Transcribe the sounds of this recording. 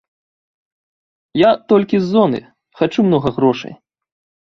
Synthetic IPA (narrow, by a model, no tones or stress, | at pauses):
jat̪ɔlʲkʲizːɔnɨ̰ | xat͡ʂumnɔɣɐɣɾɔʂɐ̰j